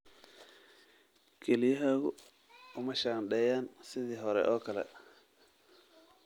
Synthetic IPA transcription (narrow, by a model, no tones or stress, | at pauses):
kʰɛlɪjɐɦaːɣʊ̰ | ʊmɐʃaːnɖɛːjaːnsɪðiːɦɔɾɛ̰ʔɔːkʰɐlɛ̰